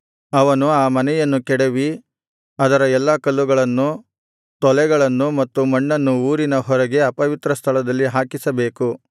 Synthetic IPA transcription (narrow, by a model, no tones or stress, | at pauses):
ɐʋɐnuaːmɐnɛjɐnːukɛɽeʋi | ɐd̪ɐɾɐɛlːɐkɐlːuɡɐɭɐnːu | t̪ɔlɛɡɐɭɐnːumɐt̪ːumɐɳːɐnːuuːɾinɐɦɔɾɐɡe̞ɐpɐʋit̪ɾɐst̪ʰɐlɐd̪ɐlːiɦaːkisɐbe̞ːku